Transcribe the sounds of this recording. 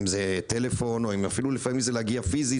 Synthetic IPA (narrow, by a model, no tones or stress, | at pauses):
mzete̞le̞fo̞noimafilulefamimzeleaɡiafizi